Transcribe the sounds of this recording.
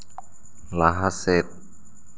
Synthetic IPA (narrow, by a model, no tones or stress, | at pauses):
laɦaset̪̚